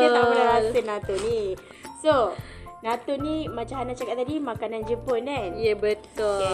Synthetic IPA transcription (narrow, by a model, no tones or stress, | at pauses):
aamaəɾaɾasənãt̪oni | sonãt̪onimat͡ʃaɦanat͡ʃakaʔ̚t̪ːadimakanand͡ʒəponanjabət̪u